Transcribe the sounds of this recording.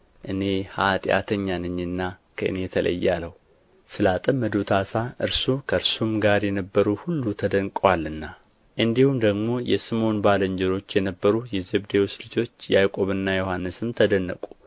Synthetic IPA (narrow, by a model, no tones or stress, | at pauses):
ʔɨne̞hat̪ʼɪ̰ʔa̰t̪ʰəɲːanɨɲːɨnːakʰəʔɨ̰ne̞t̪ʰələ̰jːaləhu | sɨlat̪ʼəmːəd̪ut̪ʰasaʔɨɾsukʰəɨɾsumɡaɾjɛnəbːəɾuhulːut̪ʰəd̪əŋkʼwalːɨnːa | ʔɨnd̪ihumd̪əɡmo̞jɛsɨmo̞nbaləɲd͡ʒɛɾo̞t͡ʃːjɛnəbːəɾujɛzebd̪ewslɨd͡ʒo̞t͡ʃːjajkʼo̞βɨnːajo̞hanːɨsɨmt̪ʰəd̪ənːə̰kʼu̥